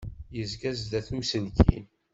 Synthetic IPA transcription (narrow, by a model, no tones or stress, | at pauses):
jəzɡæzd̪æθumsənkḭn